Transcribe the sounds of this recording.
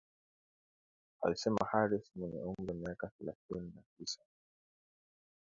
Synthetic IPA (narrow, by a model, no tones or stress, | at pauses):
a̰lisɛma̰haɾismwɛɲɛ̰uŋɡamiakaθɛlaθininatisḁ